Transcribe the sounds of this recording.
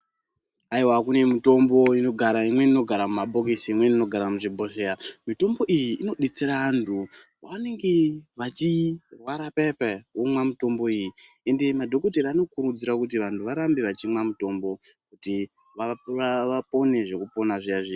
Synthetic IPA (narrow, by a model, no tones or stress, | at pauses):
aiwakune̞mito̞mbo̞ino̞ɡʱaɾaimwe̞nino̞ɡʱaɾamumaɓʱo̞k̬esiimwe̞nino̞ɡʱaɾamuʐibʱo̞ʃeamito̞mbo̞ʔijiʔːno̞ɗet͡seɾaantʰu | ʋane̞ŋɡe̞ʋat͡ʃirwaɾapepeumwamito̞mbo̞iji | e̞nde̞madʱo̞kot̬eɾiano̞kuɾud͡ziɾakut̬iʋantʰuʋaɾambe̞ʋat͡ʃimwamuto̞mbo̞kuti | ʋaaʋapo̞ne̞ʐe̞kupo̞naʐiaʐi